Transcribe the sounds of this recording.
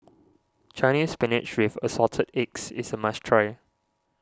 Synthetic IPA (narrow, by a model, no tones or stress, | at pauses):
t͡ʃʰãɪñiːspɪnɪt͡ʃwɪvə̰sɔtʰədɪksɪ̰səmat͡ʃtʰɹeɪ